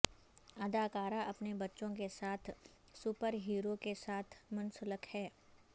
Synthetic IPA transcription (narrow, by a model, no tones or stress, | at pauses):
ɐd̪aːkaːɾaʔɐpnebɐtːʃõkesaːt̪ʰ | sʊpəɾɦiːɾokesaːt̪ʰmʊ̃nsʊləkhɛː